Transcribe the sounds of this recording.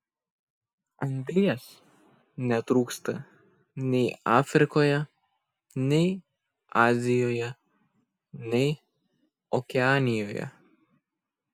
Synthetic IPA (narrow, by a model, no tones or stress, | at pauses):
ɐŋʲd̪ʲlʲɪjɛs | nʲɛt̪ɾuːkst̪ɐ | nʲɛɪɑːfʲɾʲɪkoːjɛ | nʲɛɪ | ɑːzʲɪjoːjɛ | nʲɛɪ | ɔkʲɛɑːnʲɪjoːjɛ̰